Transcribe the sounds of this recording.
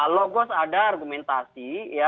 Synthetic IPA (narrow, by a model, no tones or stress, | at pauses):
alɔɡɔsadaːrɡumɛnt̪asija